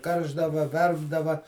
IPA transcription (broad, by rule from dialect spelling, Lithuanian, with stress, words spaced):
ˈkɐrʒdɐʋɐ ˈʋʲɛrbdɐʋɐ